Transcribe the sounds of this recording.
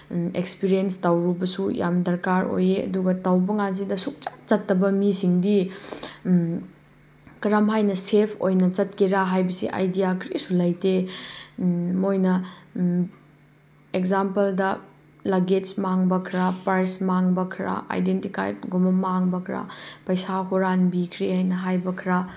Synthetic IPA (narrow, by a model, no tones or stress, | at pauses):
ekspiɾienstawɾubɐsuja̰mdɐɾkaɾo̰jeɐ̰duɡɐtawbɐŋanzidɐsuk̚t͡ʃḁk̚t͡ʃɐtːɐbɐmisiŋdi | kɐɾamɦajnɐsepʰo̰jnɐt͡ʃɐt̚kiɾaɦajbɐsḭʔa̰jdijakʰɾisulɐjte | mojnɐ | ekzampɐldɐ | laɡetsmaŋbɐkʰɾapɐɾsmaŋbɐkʰɾa̰ʔa̰jdentika̰jt̚ɡumɐmaŋbɐkʰɾa̰pɐjsaɦoɾanbikʰɾihajnɐɦajbɐkʰɾa